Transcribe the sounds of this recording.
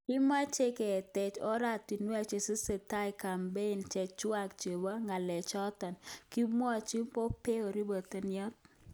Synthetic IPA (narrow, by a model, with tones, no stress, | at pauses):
ki˦ma˦t͡ʃe˦ke˨tɛ˨t͡ʃɔ˦ɾa˦ti˨nwa˦˨t͡ʃe˨si˦se˨ta˦i˨ka˨mbe˦i˨nt͡ʃɛ˨t͡ʃwa˦kt͡ʃe˨wa˦ŋa˨lɛ˨t͡ʃɔ˦tɔ˨nki˦mɔ˦a˨t͡ʃi˦mpo˦pe˦o˨ɾi˦bə˨t̪e˨njɔ˦t̚